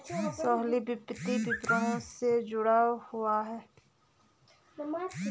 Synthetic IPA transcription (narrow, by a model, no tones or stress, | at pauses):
sɔːɦlibɪpːɪt̪ibɪpɾəõsed͡ʒʊɽahʊaɦɛː